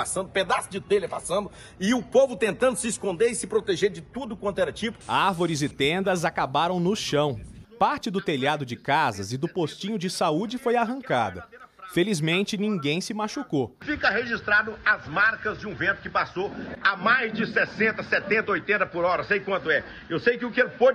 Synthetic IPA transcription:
asɐ̃d̪ʊped̪asʊd͡ʒɪt̪elɐpasɐ̃nd̪ʊ | ɪʊpovʊt̪ẽnt̪ɐ̃nd̪ʊsɪːskõnd̪eɾɪsɪpɾot̪eʒeɾd͡ʒɪt̪ud̪ʊkwɐ̃nt̪ʊɛɾɐt͡ʃipʊ̥aɾvoɾɪzɪt̪ẽnd̪ɐzakabaɾɐ̃w̃nʊʃɐ̃w̃paɾt͡ʃɪd̪ʊt̪eʎad̪ʊd͡ʒɪkazɐzɪd̪ʊpost͡ʃĩɲʊd͡ʒɪsaud͡ʒɪfojaɦɐ̃ŋka̰d̪ɐfelizmẽnt͡ʃɪnĩŋɡẽj̃sɪmaʃukofikɐɦeʒist̪ɾad̪ʊɐzmaɾkɐzd͡ʒɪũvẽnt̪ʊ̥kɪpasoamajzd͡ʒɪsɛsẽnt̪ɐsɛt̪ẽnt̪ɐojt̪ẽnt̪ɐpʊɾɔɾɐsejkwɐ̃nt̪ʊɛ | ewsejkɪʊkeɾpo

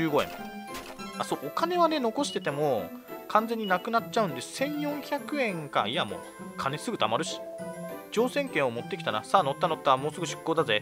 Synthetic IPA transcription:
ɯːɡo̞ḛ̃mo̰ | asoːʔokane̞βane̞no̞ko̞ɕi̥t̪e̞t̪e̞mo | kʰãnd͡ze̞ɲ̟ːinakɯ̟natt͡ɕaɯ̟̃nd̪e̞sẽ̞ɰ̃jõ̞ɰ̃çakɯ̟ẽ̞ŋka̰ijamo̞̰ | kʰane̞sɨɡɯ̟t̪amaɾɯ̟ɕi̥d͡ʑo̞ːsẽ̞ŋkẽ̞ɰ̃o̞mo̞t̪ːe̞kʲi̥t̪ana̰saːno̞t̪ːano̞t̪ːaamo̞ːsɨɡɯɕi̥kːo̞ːd̪aze

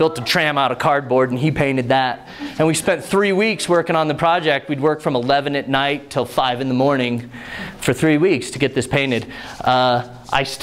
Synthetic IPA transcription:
ɪlˠtətʰɹ̥æ̃maʊɾəvkʰɑɹd̚bɔɹdn̩ipʰẽɪ̃ñɨd̪̚ðəɾ̚ | ɨ̃nwispɛ̃nθɹiwikswɜ˞kɪ̃ŋə̃nðɨpʰɹ̥ɑd͡ʒɛk̚t̚wid̚wɜ˞kfɹʌ̃məlɛvɨ̃nɨtⁿnaɪtʰəlˠfaɪvɨ̃nðəmɔɹnɪ̃ŋ | fə˞θɹiwikstʰɨɡɛt̪̚ðɪspʰẽɪ̃ñɨd | ʔa̰ɪs

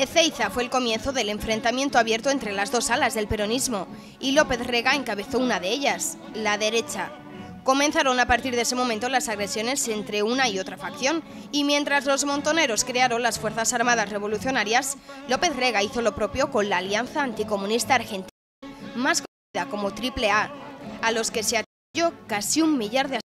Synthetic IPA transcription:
eθejθafweːlko̞mje̞nθo̞ðe̞le̞ɱfɾe̞nt̪amje̞nt̪oaβje̞ɾt̪oent̪ɾe̞lazðo̞salazðe̞lpe̞ɾo̞nizmo̞ | ilo̞pe̞θre̞ɣae̞ŋkaβe̞θounaðe̞eʎas | laðe̞ɾe̞t͡ʃa | ko̞mẽnθaɾo̞napaɾt̪iɾðes̬e̞mo̞mẽnt̪o̞lasaɣɾe̞sjo̞ne̞se̞nt̪ɾe̞unaio̞t̪ɾafakθjo̞n | imje̞nt̪ɾazlo̞zmont̪o̞ne̞ɾo̞skɾeaɾo̞nlasfwe̞ɾθasaɾmaðasre̞β̞o̞luθjo̞naɾjaslo̞pe̞θre̞ɣaiθo̞lo̞pɾo̞pjo̞ko̞nlaːljanθaːnt̪iko̞mũnist̪aːɾxe̞nt̪i | maskoiðako̞mo̞t̪ɾiple̞aːlo̞ske̞seat̪ | o̞kasiummiʎaɾðe

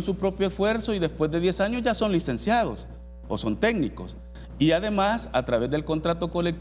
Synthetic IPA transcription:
nsupɾo̞pjoesfwe̞ɾso̞iðe̞spwe̞zd̪e̞ðje̞saɲo̞zʝaso̞nlise̞nsjað̞o̞s | o̰so̞nt̪e̞ɡniko̞̰s | iaðe̞masat̪ɾaβe̞zðe̞lko̞nt̪ɾat̪o̞ko̞lek̚t̪

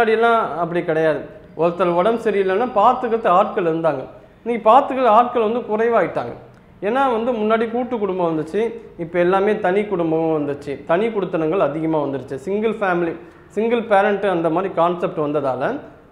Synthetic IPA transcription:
mʊnaːɽiɛlːãːɐp̬ːɐɽikɪɽɐjaːðɯ | ʔɔɾɐt̪ːɐlɔɽɐmsɐɾɪjɪlːɐnːaːpaːɾt̪ɯɣɐɭt̪ːɐaːʈkɐɭɪɾɯnd̪aːŋɡɐ | niːŋɡpaːt̪ɯɣɐɭaːʈ̚kɐɭʋɐnd̪ɯkʊrɐɪʋaːɣɪʈːa̰ːŋɡɐ̰ | ɛnːaːʋɐnd̪ɯmʊnːaːɽikuːʈːɯkːʊɽʊmbɐʋɐnd̪ɯt͡ʃːɯɪpːɐɛlːaːmeːt̪ɐnikʊɽʊmbɐɐ̃ʋɐnd̪ɯt͡ʃːɯt̪ɐnikʊɽɯt̪ːɐnɐŋɡɐɭɐðɪɣɐmaːʋɐnd̪ɯɽɯt͡ʃːɯsɪŋɡɐlfaːmɪli | sɪŋɡɐlpeːɾɐɳʈɯɐnd̪ɐmaːd̪ɾikaːnsɛp̚ʈɯʋɐnd̪ɐðaːlɐ

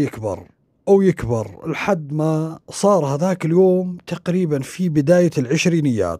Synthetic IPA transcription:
jɪkbɑ̰ɾˤ | ʔawjɪkbɑɾˤɪ̰lħad̪ːmasˤɑːɾˤhaðaːkɪljoːmt̪aqɾiːbanfibɪd̪aːjalʕɪʃɾiːnɪjːa̰ːt̪

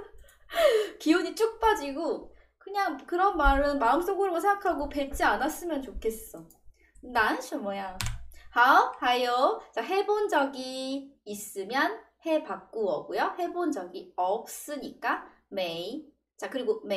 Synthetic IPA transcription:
kiuɲit͡ɕ͈ʰuk̚p͈ad͡ʑiɡo | kɯɲaŋkɯɾʌnmaɾɯnmaɯms͈oŋɡɯɾʌmosʰeŋɡakʰaɡope̞ɭt͡ɕ͈ianas͈ɯmjʌnt͡ɕokʰe̞s͈ʌ | nanɯɕʰʌmʌjahaohajot͡ɕaɦe̞bond͡ʑʌɡiː | s͈ɯmjʌn | he̞pak̚k͈uʌɡojohe̞bond͡ʑʌɡiʌp̚s͈ɯɲik͈a | mei | t͡ɕakɯɾiɡome

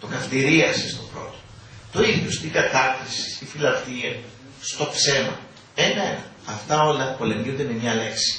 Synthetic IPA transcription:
t̪o̞kɐft̪iɾiɐsist̪o̞pɾo̞̰t̪o̥ | t̪oiðjost̪iŋɡɐt̪ɐtɾisi̥sifilɐpt̪iɐ | st̪o̞pse̞mɐ̰ | emenɐ | ɐft̪ɐo̞lɐpo̞le̞mʝund̪eme̞mɲɐle̞ksi̥

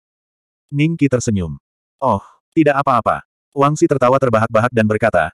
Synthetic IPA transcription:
niŋkit̪ərsəɲʊm | ʔɔh | t̪idaʔapaːpa̰ | waŋsit̪ərt̪awat̪ərbaɦak̚baɦak̚danbərkat̪a̰

